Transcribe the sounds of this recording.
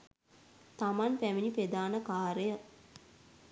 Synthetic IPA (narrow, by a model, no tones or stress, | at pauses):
t̪amanpæminiped̪aːnəkaːɾəjə